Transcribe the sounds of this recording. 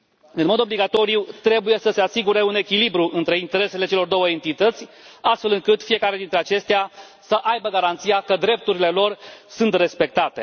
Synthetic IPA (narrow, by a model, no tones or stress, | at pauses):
ɨnmo̞d̪o̞bliɡat̪o̞ɾijut̪ɾe̞buje̞səse̞asiɡuɾe̞une̞kʲilibɾuʔɨnt̪ɾe̞int̪e̞ɾe̞se̞le̞t͡ʃe̞lo̞rd̪o̞wəe̞nt̪it̪ət̪sʲ | ast̪fe̞lɨŋkɨt̪fije̞kaɾe̞d̪int̪ɾe̞at͡ʃe̞st̪ea | səʔajbəɡaɾant̪sijakəd̪ɾe̞p̚t̪uɾile̞lo̞rsunt̪re̞spe̞k̚t̪at̪e̞̰